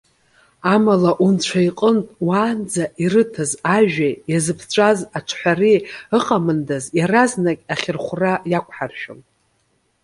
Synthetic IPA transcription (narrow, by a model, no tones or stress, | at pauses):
amalaʔunt͡ɕʷʰaiqʼəntʼwaːnd͡zaʔirɨtʰazaʒᶣajazɨpʰt͡ɕʷʰʼazaʈ͡ʂʰħʷariɨqʼamɨndazjaraznakʲʼaχʲɪrχʷrajakʷʰʼħarʃᶣʊ̰n